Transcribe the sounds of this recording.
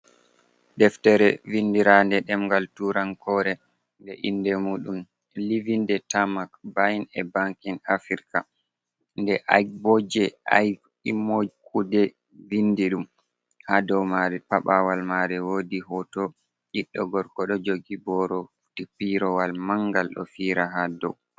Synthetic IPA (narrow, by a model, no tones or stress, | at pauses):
dɛftɛɾɛvindiɾandɛɗɛmŋɡaltuɾankʰɔɾɛ | ndɛ̰ʔindɛmuːɗum | livindɛtamakbajinɛbaŋkinafiɾka | ndɛʔajbɔd͡ʒɛa̰j | imod͡ʒkʰudɛ | vindiɗum | hadɔwmaɾɛpaɓawalmaɾɛwoːdiɦɔtɔ | ʔiɗːɔɡɔɾkɔɗɔd͡ʒoɡibɔɾɔ | tipiɾɔwalmaŋɡalɗɔ̰fiɾaɦadɔ̰w